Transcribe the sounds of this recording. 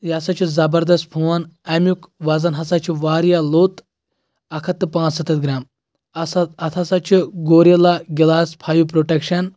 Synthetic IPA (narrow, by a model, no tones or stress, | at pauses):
jaːsat͡ʃʰizɐbɐɾd̪ɐst̪̚pʰuʋanɐmjukʋad͡zɐnɦɐsat͡ʃʰiʋaːɾjaloːt̪ | ɐkʰɐt̪ːɨpãːt͡ssɐt̪ɐt̪ɡɾaːm | ɐt̪ʰasat͡ʃʰiɡoːɾɐlaɡʲilaːspʰaːjupɾoʈekʃɐn